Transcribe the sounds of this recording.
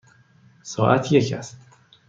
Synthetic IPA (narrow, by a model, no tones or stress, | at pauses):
sɒːʔæt̪ʰjekæ̰st̪